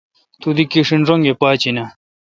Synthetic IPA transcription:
t̪ud̪ikiʂinʐoŋɡepaːt͡ɕinɐ

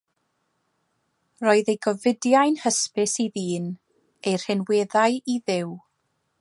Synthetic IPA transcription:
roːɨðejɡɔvɪdjajnhəspɪsiðiːn | ejr̥hɪnweːðajiðɪw

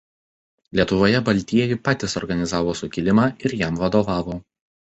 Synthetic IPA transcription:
lʲiɛt̪ʊʋoːjɛbɐlʲt̪ʲiɛjʊpɑːt̪ʲɪsɔɾɡɐnʲɪzɑːʋoːsʊkʲɪlʲɪmɑːɪɾjæˑmʋɐd̪oʋɑːʋoː

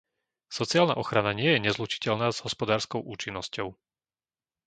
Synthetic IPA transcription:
sɔt͡siaːlna̰ʔɔxɾanaɲɪɛjɛɲɛzlut͡ʃi̥cɛʎnaːz̥ɦɔspɔd̪aːɾskɔʊʔuːt͡ʃinːɔscɔʊ

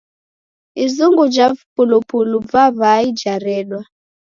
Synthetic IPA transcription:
izuŋɡud͡ʒavpulupuluvaβaid͡ʒaɾɛɗwa

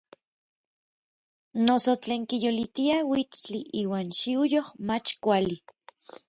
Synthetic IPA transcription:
nosot͡ɬeːŋkijolit̪iawit͡st͡ɬiʔiːwaːnʃiujohmat͡ʃkʷali

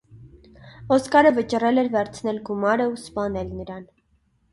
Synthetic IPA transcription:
ɔskɑɾəvət͡ʃrɛlɛɾvɛɾt͡sʰn̪ɛlɡumɑɾəuspɑnɛlnəɾɑn

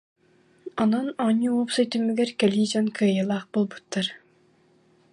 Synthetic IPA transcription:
ɔnɔnɔɲːiuɔpsɯjt̪ymːyɡɛɾkɛlʲiːd͡ʑankʰɯːjɯlˠaːχbolˠbut̪ːaɾ

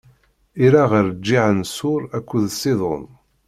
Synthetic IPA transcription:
iɾaʁəɾd͡ʒːiʕənsʊɾækʷːuðsːɪðˤo̰n

